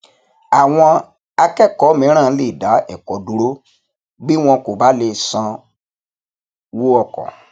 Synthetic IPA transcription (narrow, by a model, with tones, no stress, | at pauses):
a˨w̃ɔ̃˧ | a˧kɛ˦˨kɔ˨˦mĩ˨˦ɾ̃ã˦˨˦le˦˨da˨˦ɛ˨kɔ˨˦du˨˦ɾo˦ | bi˦w̃ɔ̃˧ko˨ba˦le˧sã˧ | wo˦ɔ˦˨kɔ̰̃˨